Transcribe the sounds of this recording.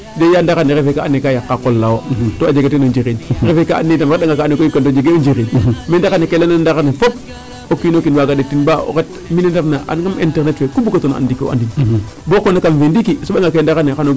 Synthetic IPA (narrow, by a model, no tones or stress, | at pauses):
dejandaɣaneɾefekaanːikajakːakolːawotoad͡ʒeɡetenond͡ʒiɣinɾefekaa̰nːitamɾedaŋɡakaːnːekojukantod͡ʒeɡeond͡ʒiɾinmendaɣanːekelanandaɣanefop̚ | okːinokinwaɡadetːinbao̰ket | minendafnaʔa̰nɡamḭnteɾnetfekubukatona̰ndikio̰a̰ndin | bokonakamfendikisoɓaŋɡakendaɣanexano